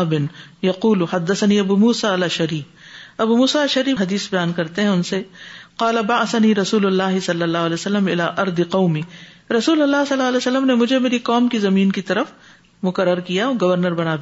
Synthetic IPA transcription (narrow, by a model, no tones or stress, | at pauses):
bɪnjɐquːlħɐd̪ːɐsɐniːɐbuːmuːsaɐlɐʃɐɾiːf | ɐbuːmuːsaɐlʃɐɾiːɦɐd̪iːsbɐjaːnkɐɾt̪eɦɛ̃ʊnseqɑːlɐbaʕsɐniːɾɐsuːlʊlːaːɦɪsɐlːɐlːaːɦʊɐlɛːsɐlːəmɪ̰laːʔɐɾd̪qɐʊmiː | ɾɐsuːlɐlːaːsɐlːaːɐlɛːsɐlːəmnemʊd͡ʒʱemeːɾiqɔːmkizɐmiːnkit̪ɐɾəf | mʊkɐɾːəɾkijaɔːɡɐʋɐɾnəɾbɐnaːbi